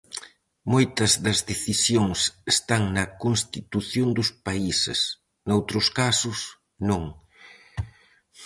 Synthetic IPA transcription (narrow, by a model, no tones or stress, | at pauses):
mojt̪ɐzðɐzðeθisjoŋsest̪aŋnɐkonst̪it̪uθjond̪ʊspaisɪ̰s | nowt̪ɾʊskasʊs | nõŋ